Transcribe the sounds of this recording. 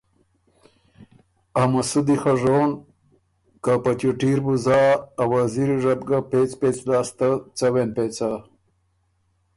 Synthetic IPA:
amasud̪ixaʐoːn | kapat͡ɕuʈiɾbuzaːwaziɾiʐɐbɡapet͡spet͡slaːst̪at͡sawenpet͡sa

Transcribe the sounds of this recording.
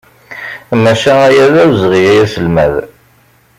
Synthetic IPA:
mæʃææjæðæwzʁijæjæsəlmæ̰ð

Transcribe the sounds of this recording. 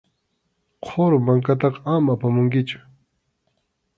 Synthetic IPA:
qʰoɾmaŋkat̪ɑqamapamʊŋkɪt͡ʃʊ̥

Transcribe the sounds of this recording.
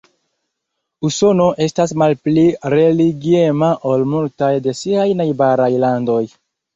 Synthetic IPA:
uso̞no̞ʔe̞stasmalpliɾe̞liɡie̞maʔo̞lmultajde̞siajnajbaɾajlando̞j

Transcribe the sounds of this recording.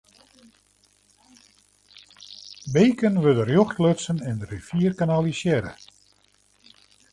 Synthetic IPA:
bejkənʋødərjɔxtløtsənɛndəɾifiːərkanalˠisjɛɾə̰

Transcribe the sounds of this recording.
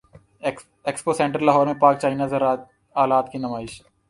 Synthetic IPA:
eksposɛ̃ɳʈɾəlɐɦɔːɾmẽpaːk̚t͡ʃaːɪnaz | aːlaːt̪kinɐmaːɪʃ

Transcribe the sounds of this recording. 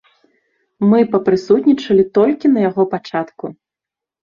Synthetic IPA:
mɨpɐpɾɨsut̪ʲnʲit͡ʂɐlʲit̪ɔlʲkʲinɐjaɣɔpat͡ʂat̪ku

